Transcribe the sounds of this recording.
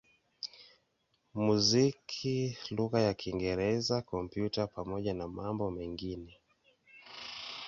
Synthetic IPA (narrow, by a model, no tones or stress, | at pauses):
muzikʰiluɣajakiŋɡɛɾɛzakɔmpjutapamɔʄanamambɔmɛŋɡinɛ